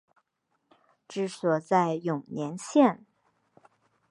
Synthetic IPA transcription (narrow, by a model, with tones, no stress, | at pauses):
ʈ͡ʂɻ̩˥˩swɔ˨˩t͡sa˥˩ɪjʊ˨˩ŋnjɛ˧˥nɕjɛ˥˩n